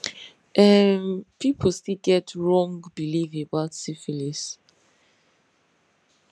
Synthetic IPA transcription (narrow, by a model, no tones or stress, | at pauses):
ʔɛmpʰipʰəlstilɡɛtʰɹɔ̃ŋɡbilivəbaʊtsifilis